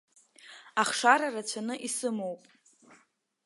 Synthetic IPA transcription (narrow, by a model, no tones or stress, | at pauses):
aχʂaɾarat͡ɕʷʰanɨʔisɨmo̞wpʼ